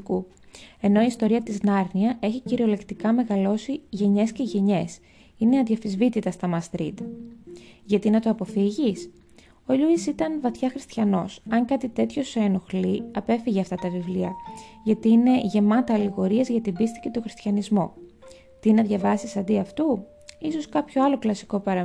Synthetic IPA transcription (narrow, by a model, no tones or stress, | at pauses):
ku | e̞no̞iːst̪o̞ɾiɐt̪iznɐɾniɐʔe̞çiciɾio̞le̞kt̪ikɐme̞ɣɐlo̞siʝe̞ɲe̞sce̞ʝe̞ɲe̞s | ineɐðjɐfizvit̪it̪ɐst̪ɐmɐst̪ɾit̪ɐ | ʝɐt̪inɐt̪o̞ɐpo̞fiʝis | o̞ʎuisit̪ɐnvɐθçɐxɾist̪çɐno̞sɐŋkɐt̪it̪e̞t̪ço̞seno̞xliɐpe̞fiʝeɐft̪ɐt̪ɐvivliɐʝɐt̪iːne̞ʝe̞mɐt̪ɐːliɣo̞ɾiɐzʝɐt̪ibist̪i̥ce̞t̪oxɾist̪çɐnizmo̞̰ | t̪inɐðʝɐvɐsisɐnd̪iɐft̪u | iso̞skɐpço̞ɐlo̞klɐsi̥ko̞pɐɾɐ